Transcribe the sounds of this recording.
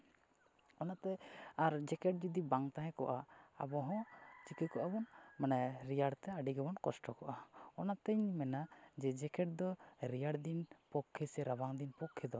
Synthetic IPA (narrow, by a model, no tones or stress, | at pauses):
ɔnat̪ɛaɾd͡ʒɛkɛʈ̚d͡ʒud̪ibaŋt̪aɦɛ̃kɔʔaa̰bɔɦɔ̃t͡ʃikikɔʔabɔnmanɛɾijaɽt̪ɛaɖiɡɛbɔnkɔsʈɔkɔʔaɔnat̪ɛɲmɛnad͡ʒɛd͡ʒɛkɛʈ̚d̪ɔɾijaɽd̪inpɔkʰːɛsɛɾabaŋd̪inpɔkʰːɛd̪ɔ